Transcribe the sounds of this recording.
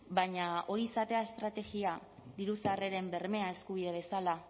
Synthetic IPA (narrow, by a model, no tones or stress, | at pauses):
baɲao̞ɾiːsat̪e̞ae̞st̪ɾat̪e̞ɣiad̪iɾusare̞ɾe̞mbe̞ɾme̞ae̞skuβ̞iðe̞β̞e̞sala